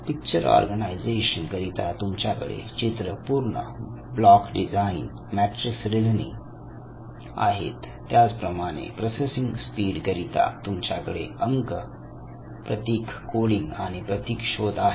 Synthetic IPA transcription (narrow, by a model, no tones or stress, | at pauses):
pik̚t͡ɕəɾɔ̰ɾɡənaid͡zeɕənkəɾit̪at̪umt͡ɕjakə̰ɽḛt͡ɕit̪ɾəpuɾɳə̰ | blɔkɖid͡zain | mæʈɾəsɾilnḭ | a̰ɦḛt̪ːjad͡zpɾəmaɽ̃ḛpɾosesĩŋɡspiːɽkəɾit̪a̰t̪umt͡ɕjakəɽḛəŋɡ | pɾət̪iːkːoɽiŋɡaɽ̃ipɾət̪iːkɕod̪ae